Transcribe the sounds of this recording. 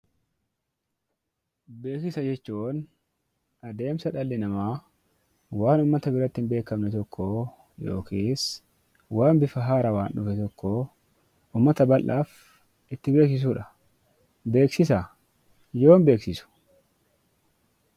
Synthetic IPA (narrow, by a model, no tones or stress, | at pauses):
be̞ːkɪsɐd͡ʒɛt͡ʃːuːn | ʔɐd̪e̞ːmsɐᶑɐlːɪnɐmaː | waːnʊmːɐt̪ɐbɪɾɐt̪ːɪnbe̞ːkːɐmnɛt̪ɔkʰːo | jo̰ːkʰiːs | waːmbɪfɐɦaːɾɐwaːnᶑʊfɛt̪ɔkːoː | ʊmːɐt̪ɐbɐlʔːaːf | ʔɪt̪ːɪbe̞ːksɪs̬uːᶑɐ | be̞ːksɪsɐ | jo̞ːmbe̞ːksɪsʊ̥